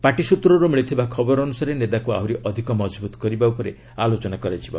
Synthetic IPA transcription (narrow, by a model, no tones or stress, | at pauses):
paʈisut̪ɾɔɾumiɭit̪ʰibakʰɔbɔɾɔɔnusaɾenet̪akua̰wɾiʔɔd̪ʱikɔmɔd͡ʒbut̪ɔ̥kɔɾibaupɔɾe | alot͡ʃɔnakɔɾajt͡ʃʰiba̰u